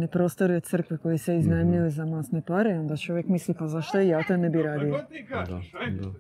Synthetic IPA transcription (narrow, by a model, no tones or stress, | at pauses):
nipɾo̞st̪o̞ɾiot̪t̪sr̩kʋeko̞jiseiznamʎilizamast̪nepaɾeo̞nd̪at͡ʃo̞ʋjekmislipazaʃt̪oijat̪anebiɾaːd̪io